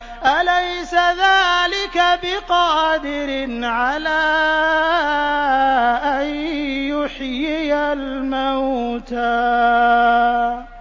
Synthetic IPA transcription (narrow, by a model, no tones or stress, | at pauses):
ʔalajsaðaːlɪkabɪqɑːd̪ɪɾɪnʕalaː | ʔanjʊħjɪjalmawt̪aː